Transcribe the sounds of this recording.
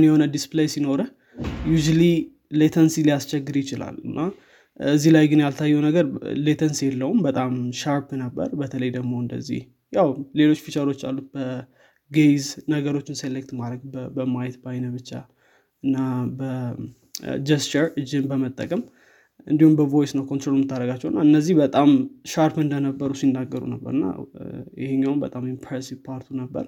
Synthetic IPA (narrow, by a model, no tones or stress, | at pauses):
njɛho̞nəd̪isplejsino̞ɾə | juʒuli | let̪ʰənsilijast͡ʃɛɡːɨɾjɪt͡ʃɪla̰lːɨnːa | ɨzːihlajɡɨnjalt̪ʰajːɛwnəɡəɾle̞t̪ʰənsjɛlːəhumbət̪ʼamʃaɾpnəbːə̰ɾbət̪ʰələjd̪əɡmo̞ɨnd̪ə̰zːḭh | jawle̞lo̞t͡ʃːfiʃəɾo̞t͡ʃːa̰lːut̪̚bə | ɡejznəɡəɾo̞t͡ʃːɪnselek̚t̪maɾəɡbəmajt̪bajnəbɨt͡ʃːa̰ | ɨnːabə | d͡ʒɛst͡ʃəɾɨd͡ʒːɨmbəmət̪ʼːəkʼəm | ʔɨnd̪ihumbəvo̞jsnəwkʰont̪ɾolumɨt̪ʰːaɾəɡat͡ʃːɛwɨnːaɨnːəzːihbət̪ʼamʃaɾpɨnd̪ənəbːəɾusinːaɡːəɾṵnəbːə̰ɾɨnːa̰jɪ̰heɲːawmbət̪ʼamimpʰɾesivpʰaɾt̪ʰunəbːə̰ɾ